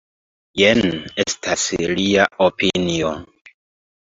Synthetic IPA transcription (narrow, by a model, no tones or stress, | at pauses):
jenestʰasliaopinio